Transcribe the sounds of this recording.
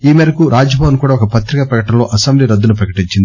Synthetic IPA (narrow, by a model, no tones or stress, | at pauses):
iːmeɾɐkuɾʔaːd͡ʒɐbʱɐːwɐnkuːɽaːɔkɐpɐt̪ɾikɐpɾɐkɐʈɐmlo̞ːʔɐsɐmbliːɾɐd̪ːunupɾɐkɐʈiɲt͡ʃind̪i